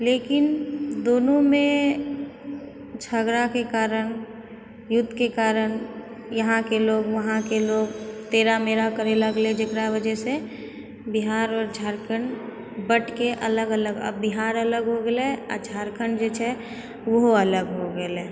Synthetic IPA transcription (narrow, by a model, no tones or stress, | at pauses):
leːkɪnd̪oːnõmẽ | d͡ʒʰʱəɡɾakekaːɾən | jʊt̪ːkekaːɾən | jəɦãkeloːɡʋəɦãkeloːɡt̪eːɾameːɾakəɾeləɡled͡ʒɪkɾabəd͡ʒɛse | biɦaːɾɔːɾd͡ʒʱaːɾkən | bəʈkeʔələɡələɡə̰biɦaːɾələɡɦoɡəlea̰d͡ʒʱaːɾkənd͡ʒet͡ʃʰɛ | ʋəɦələɡɦoɡeleː